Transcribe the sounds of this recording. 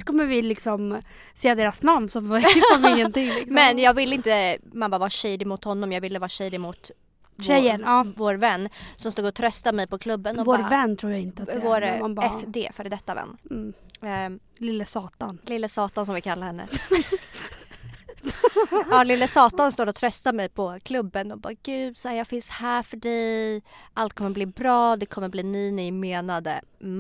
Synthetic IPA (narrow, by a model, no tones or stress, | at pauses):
kʰɔmːəɾvɪlɪksɔm | seːad̪eːɾasnamnsɔmsɔmɪŋːənt̪ɪŋlɪmmɛnjɑːɡvɪlːəɪnt̪əmanbavaɕɛːd̪ɪmʊt̪hɔnːɔmjɑːɡvɪlːəvɑːɾɕɛːd̪ɪmʊt̪ | ɕɛjːəɳɑːvoːɾvɛnːsɔmst̪uːɡɔt̪ʰɾœst̪amɛjpɔkʰlɵbːənɔvoːɾvɛnːt̪ʰɾuːɾjaɪnt̪əavoːɾmaɛfd̪eːfœːɾd̪ɛt̪ːavɛ̰nː | lɪlːəsɑːt̪anlɪlːəsɑːt̪ansɔmvɪlkʰalːahɛnːə̰ | ɑlɪlːəsɑːt̪anst̪oːɾɔt̪ʰɾœst̪amɛjpʰɔkʰlɵbːənɔbɑ̰ːɡ̥ʉ̟ːd̪sajɑːɡfɪnshæːfœɖɛjʔalt̪̚kʰɔmːəɾbliːbɾɑːd̪ɛkʰɔmːəbliːniːnɪmeːnad̪ə̰